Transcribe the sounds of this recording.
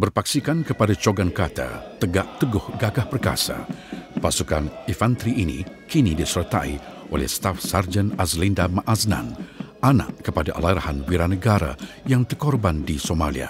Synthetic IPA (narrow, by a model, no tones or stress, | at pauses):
bərpaksikankəpadat͡ʃoɡankat̪a̰t̪əɡaʔt̪əɡʊhɡaɡahpərka̰sa̰pasukanifant̪ɾiʔinḭkinidisərt̪aiʔolɛ̰hst̪afsard͡ʒənazlindamaʔazna̰nana̰ʔkəpadaʔa̰laɾahanwiɾanəɡaɾa̰ | jaŋt̪ərkɔrbandisomalḭa̰